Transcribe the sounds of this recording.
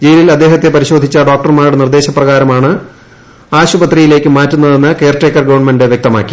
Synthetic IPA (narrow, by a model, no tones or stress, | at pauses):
d͡ʑejililɐd̪ːe̞ːɦɐt̪ːe̞pɐɾiɕo̞ːd̪ʱːit͡ɕːɐɖo̞ːk̚ʈɐrmaːɾuɽenird̪e̞ːɕɐprɐɣaːɾɐmaːɳɨ | aːɕubɐt̪rijile̞ːkʲːɨmaːtːunːɐðe̞nːɨkejrʈeːkːɐrɡɐʋɐɳmendeʋjek̚t̪ɐma̰ːkːi